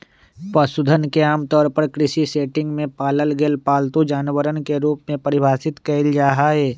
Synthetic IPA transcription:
pəsʊd̪ʱənkeaːmt̪ɔːɾpəɾkɾɪʃiseːʈɪ̃ŋɡmẽpaːləlɡeːlpaːlt̪ud͡ʒaːnəwəɾənkeɾuːpmẽpɐɾɪbʱaːsɪt̪kɐld͡ʒaːɦaːɦeː

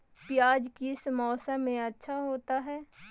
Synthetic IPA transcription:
pɪjaːd͡ʒkiɪsmɔːsamẽɐtːʃʰaɦoːt̪aɦɛː

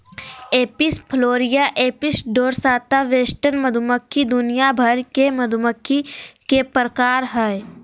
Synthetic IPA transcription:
eːpɪspʰloːɾɪjaʔeːpɪsɖoːɾsaːt̪aʋeːsʈənməd̪ʱuməkʰːid̪ʊnijabʱəɾkemɐd̪ʱʊməkʰːikepɾəkaːɾɦɛe

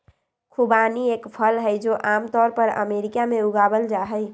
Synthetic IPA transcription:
kʰubaniekpʰəlɦəjd͡ʒoʔamt̪ɔːɾpəɾə̰meɾikameuɡabəld͡ʒaɦəɪ

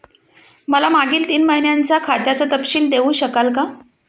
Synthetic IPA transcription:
məlamaɡiːlt̪iːnməɦinjaɲt͡sakʰat̪jat͡sət̪əpɕiːld̪eʋuːɕəkalka

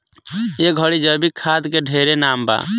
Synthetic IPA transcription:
eɡʱəɽid͡ʒəbikʰad̪keɖʱeɾenamba̰

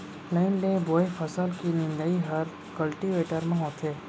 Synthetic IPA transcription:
leɳɖeboːefʰəsəlkinɪ̃nd̪əiɦəɾ | kəlʈiʋeːʈəɾmãɦot̪ʰeː

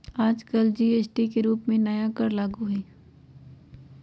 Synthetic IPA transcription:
aːd͡ʒkəld͡ʒiːeːsʈikeɾuːpmẽnɐjakɐɾlaːɡuɦɛː

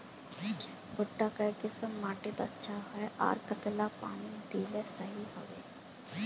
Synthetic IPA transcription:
bʊʈːaːkəkɪsəmːaːʈeːt̪aətːʃʰaːɦɛʔa̰ːɾkət̪laːpa̰ːnid̪iːlɛːsəɦiɦo̰ːʋeː

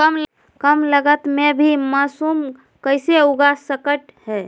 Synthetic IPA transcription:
kəml | kəmləɡət̪mebʱimasum | kəjseuɡasəkəʈɦɛ

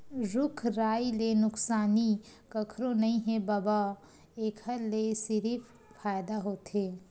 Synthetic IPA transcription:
ɾʊkʰɾaːilenʊksaːni | kɐkʰɾõnɐɦĩɦɛbaːba | eːkʰəɾlesɪɾiːpʰ | faːjd̪aɦoːt̪ɦeː

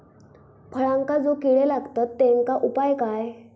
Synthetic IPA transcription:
pʰəɭãŋkad͡zokiɭelaɡt̪at̪ːẽŋkaʔupajkaj

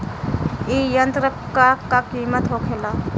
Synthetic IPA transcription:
ijənt̪ɾə | kakːakiːmət̪ɦokʰela

